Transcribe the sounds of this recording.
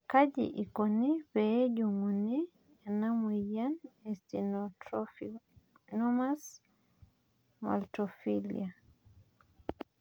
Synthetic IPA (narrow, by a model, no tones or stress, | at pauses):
kad͡ʒḭʔikɔnipɛɟumuni | anamijanɛsti | nɔmas | ma̰ltɔfilḭa